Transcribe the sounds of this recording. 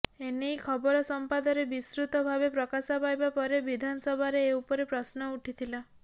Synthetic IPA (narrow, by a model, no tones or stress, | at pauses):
enejkʰɔbɔɾɔsɔmpad̪ɔɾebisɾut̪ɔbʱabepɾɔkasapajbapɔɾebid̪ʱanɔsɔbʱaɾeːupɔɾepɾɔsnɔuʈʰit̪ʰila